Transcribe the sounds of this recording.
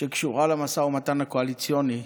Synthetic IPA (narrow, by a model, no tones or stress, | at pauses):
ʃekʃuʁalamasaumat̪anakoalit͡sjo̞ni